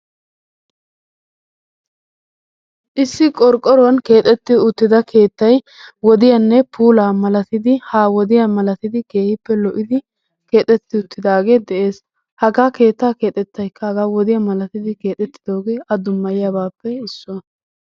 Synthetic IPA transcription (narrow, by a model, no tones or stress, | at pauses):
ʔɪsːɪkʼɔɾkʼːɔɾɔwɐnke̞ːt̪ʼɛt̪ːɪʊt̪ːɪd̪ɐkʰe̞ːt̪ːɐj | wɔd̪ɪjɐnːɛpʰuːlaːmɐlɐt̪ɪd̪ɪhaːwɔd̪ɪjamɐlɐt̪ɪd̪ɪɡe̞ːhɪpːɛlɔʔɪd̪ɪ | ke̞ːt̪ʼɛt̪ːɪʊt̪ːɪd̪aːɡe̞ːd̪ɛʔe̞ːs | hɐɡaːke̞ːt̪ːaːke̞ːt̪ʼɛt̪ːɐjkʰːɐhɐɡaːwɔd̪ɪjɐmɐlɐt̪ɪd̪ɪke̞ːt̪ʼɛt̪ːɪ̥d̪o̞ːɡe̞ːʔɐd̪ʊmːɐjɪjabaːpːɛɪsːʊɐ